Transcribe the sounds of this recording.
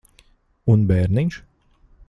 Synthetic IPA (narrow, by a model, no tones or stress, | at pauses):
unbɛːɾniɲʃ